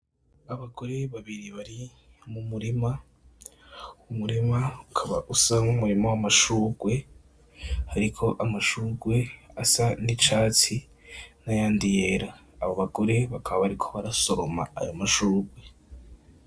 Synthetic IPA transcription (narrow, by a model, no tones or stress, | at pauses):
aβaɡo̞ɾeβaβiɾiβaɾi | mumuɾima | umuɾimaukʰaβa̰ʔusamumuɾimowamaʃuːɡwe̞ | haɾikʰo̞ʔamaʃuːɡwe̞asanit͡ʃaːt͡si | najaːndije̞ɾaː | βoβaɡo̞ɾe̞βakʰaβaβaɾikʰo̞βaɾaso̞ɾo̞ma̰ːjomaʃuːɡwe̞